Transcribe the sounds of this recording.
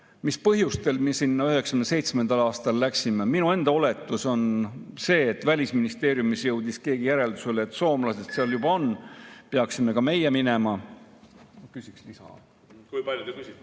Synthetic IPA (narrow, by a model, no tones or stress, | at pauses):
mispɤɦjust̪e̞lmiesinːɑyɦe̞ksɑ̥kynse̞jt̪sme̞nd̪̥ɑlɑːst̪ɑlːæksimeminue̞nd̪̥ɑo̞le̞t̪ːˑuso̞nse̞ːt̪ːvælʲisminist̪e̞ːɾjumisjɤwd̪̥iskeːɡijæɾe̞ld̪use̞leːt̪ːso̞ːmlɑse̞st̪seɑljubɑo̞nːpeɑksime̞kɑme̞jeminemɑ | okysikslisɑ̰ | kujpɑlʲjut̪ekysi